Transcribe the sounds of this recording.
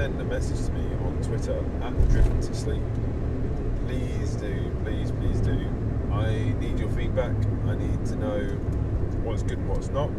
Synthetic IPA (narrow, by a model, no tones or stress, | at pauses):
sɛ̃nəmɛsɪd̥ʒ̥tʰəmi | ə̰̃ntʰw̥ɪtəɹ | əʔdɹɪvə̃ntʰəsliˑp̚ | pʰl̥iː | zdʉ | pʰl̥iːz̥pʰl̥iːzdʉ | ʔaɪniːd͡ʒəfiːd̚bakaɪniːd̚tʰənəʊ | wɒtɪzɡ̥ʊdⁿn̩wɒtznəʔ̚